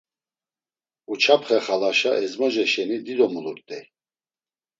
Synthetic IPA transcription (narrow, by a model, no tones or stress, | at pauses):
ut͡ʃʰapʰχɛχalaʃaʔɛzmɔʒɛʃɛnid̪id̪ɔmuluɾt̪ʼɛ